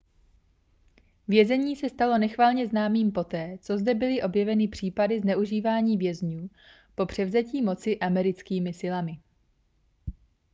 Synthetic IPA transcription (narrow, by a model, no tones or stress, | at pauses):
vjɛzɛɲiːsɛst̪alo̞nɛxvaːlɲɛznaːmiːmpo̞t̪ɛːt͡so̞zdɛbɪlɪʔo̞bjɛvɛnɪpr̝̥iːpadɪznɛʔuʒiːvaːɲiːvjɛzɲuː | po̞pr̝̥ɛvzɛciːmo̞t͡sɪʔamɛɾɪt͡skiːmɪsɪlamɪ